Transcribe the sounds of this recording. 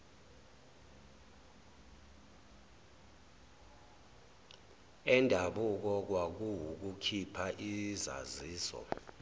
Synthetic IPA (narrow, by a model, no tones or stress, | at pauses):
ɛndʱaɓuk̬ɔk̬wak̬uwuk̬ukʰipʰaʔiza̰ziːsɔ̰